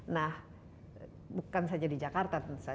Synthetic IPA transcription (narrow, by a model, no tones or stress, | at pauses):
nah | bukansad͡ʒadid͡ʒakart̪asa